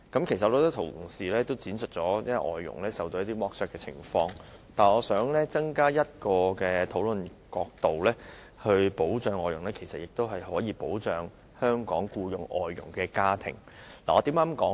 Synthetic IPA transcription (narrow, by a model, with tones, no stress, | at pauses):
kɐ˨˥mkʰe˨˩jsɐ˨t̚ɔ˧kːt̪ːt̪ʰʊ˨˩siː˨˩lɛː˥t̪o˥wt͡siː˨˥nsɵ˨t̚t͡sɔː˨˥jʔɔ̰ː˨jːʊ̰˨˩ŋlɛː˥sɐ˨wt̪o˧wjɐ˥t̪i˥mɔː˥k̚sœː˧kːɛː˧t͡sʰɪ̰˨˩ŋfɔː˧ŋ | t̪aː˨˩nɔː˨˧sœː˨˥ŋlɛː˥t͡sɐ˥ŋkaː˥jɐ˥t̚kɔː˧kɛː˧t̪ʰo˨˥wlɵ˨nkɔː˧k̚t̪o˨wlɛː˥ | hɵ˧ɥpo˨˥wt͡ʃœː˨˧ŋɔː˨˩jʊ˨˩ŋlɛː˥kʰe˨˩jsɐ˨t̚jɪ˨k̚t̪o˥wɦɐ˨jhɔː˨˥jiː˨˧po˨˥wt͡ʃœː˨ŋ | hœː˥ŋkɔː˨˥ŋkuː˧jʊ˨ŋʔɔː˨˩jːʊ̰˨˩ŋkɛː˧kaː˥t̪ʰɪ̰˨˩ŋ | laː˨˩ɔː˨˧t̪iː˨˥maː˥mkɔː˨˥